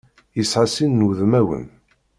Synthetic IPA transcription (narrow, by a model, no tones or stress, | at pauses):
jisʕasinːuðmæwə̰n